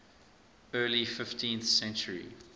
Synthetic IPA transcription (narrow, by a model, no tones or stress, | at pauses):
ɜːlifɪftʰĩnθsɛ̃nt͡ʃəɹḭ